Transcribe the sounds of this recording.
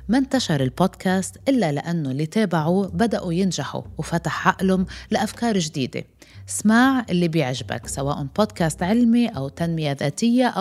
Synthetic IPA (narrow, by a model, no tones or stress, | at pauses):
mant̪aʃɑɾˤɪlboːd̪kʰaːst̪ʔɪlːalɪ̰ʔanːolːit̪eːbaʕubad̪aʔujɪnʒaħṵwfat̪aħʕaʔlʊmlaʔafkɑːɾˤʒd̪iːd̪ḛ | smaːʕʔɪlːibjɪʕʒɪba̰ksawaːʔʊboːd̪kaːst̪ʕɪlmiʔawt̪anmɪjaðaːt̪ɪjːaʔ